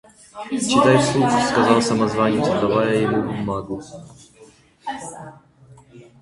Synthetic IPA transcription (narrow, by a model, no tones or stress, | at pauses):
t͡ʃit̪ajfsukuskazawsamazvaɲɛt̪ɔd̪avajajɛmubumːaɡu